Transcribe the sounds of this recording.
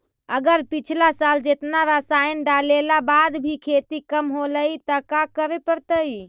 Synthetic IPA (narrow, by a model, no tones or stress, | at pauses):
əɡəɾpit͡ʃʰlasald͡ʒet̪naɾəsajnɖalelabad̪bʱikʰet̪ikəmɦoləjt̪əkakəɾepəɾt̪əj